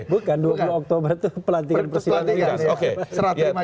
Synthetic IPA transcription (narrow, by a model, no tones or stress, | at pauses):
bukanduapuluɔk̚t̪obərt̪upəlant̪ikanpərsidɛiokeaəɾat̪ja